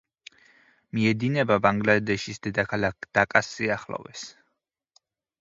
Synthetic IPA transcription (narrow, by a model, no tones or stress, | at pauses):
miɛd̪inɛbabaŋɡlad̪ɛʃisd̪ɛd̪akʰalakʰd̪̥akʼasːiaχlˠɔ̰vɛs